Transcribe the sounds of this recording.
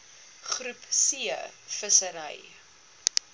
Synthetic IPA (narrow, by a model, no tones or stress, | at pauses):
χrʉpsiəfəsəɾəj